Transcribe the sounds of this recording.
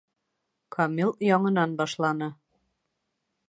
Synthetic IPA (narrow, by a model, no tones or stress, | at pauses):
kʰɑmʲilˠjɒɴɤ̆nɑnbɑʃlˠɑnɤ